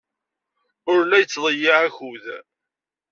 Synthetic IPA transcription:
ʊɾlæjət͡sːðˤəjːiʕæçuð

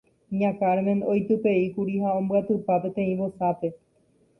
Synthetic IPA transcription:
ɲãkaɾmẽ̞no̞jt̪ɨpe̞ikuɾiɦaõ̞mbɨat̪ɨpape̞t̪ẽ̞ĩʋosape̞

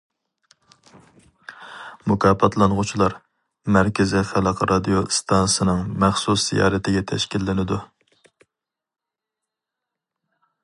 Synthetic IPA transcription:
mʊkʲʰɑːpʰɑt̪ʰlˠɑnʁʊt͡ʃʰilˠɑɾ | mæɾkʲʰɪzɪfælˠqʰɾɑd̪ijost̪ʰɑnsɨnɨŋmæχsusz̥ḭjɑ̰ːɾɛt̪ʰɪɡʲɛt̪ʰɛʃkʲilːɪnɪd̪u

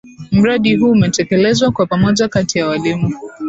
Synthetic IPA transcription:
m̩ɾaɗiɦuːmɛtɛkɛlɛzwakwapamɔʄakatijawalimu

